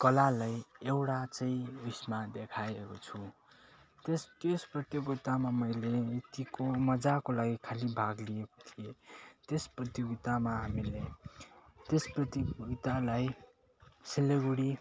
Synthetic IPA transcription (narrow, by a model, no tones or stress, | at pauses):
kʌlalajewɽat͡sʌĩusmad̪ekʰaekot͡sʰũ | t̪est̪esprʌt̪joɡit̪amamʌjlet̪ikomʌd͡zakolaɡikʰalibʱaɡlijeko̥t̪ʰijet̪esprʌt̪joɡit̪amaɦamile | t̪esprʌt̪iɡit̪alaj | sileɡuɽi